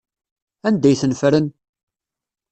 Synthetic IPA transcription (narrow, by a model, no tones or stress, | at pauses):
ænd̪æjθənfɾən